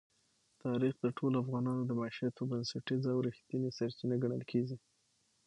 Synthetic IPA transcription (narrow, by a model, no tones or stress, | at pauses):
t̪ɑɾixd̪əʈʰolafɣɑnɑnod̪əmaʃijat̪obansaʈizawɾixt̪inesaɾt͡ʃinaɡaɳəlkʰeɡi